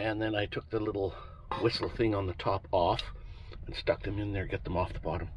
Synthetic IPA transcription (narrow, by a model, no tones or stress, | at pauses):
ɨ̃nðɨ̃naɪtʰʊk̚ðəlɪɾl̩ˠ | wɪsl̩ˠθɪ̃ŋə̃nðətʰɑpɔfɨ̃n̩stʌk̚ðɨ̃mɪ̃nðə˞ɡɛt̪̚ðə̃mɔfðəbɑɾə̃m